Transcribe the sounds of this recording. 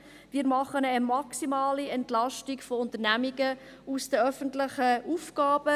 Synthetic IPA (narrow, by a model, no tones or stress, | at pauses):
miːɾmɑχənəmɑksimɑːliɛntlɑʃtikfoʊnt̪əɾnæmiɡə | usd̥əœfəntlɪχəufɡ̥ɑːb̥ə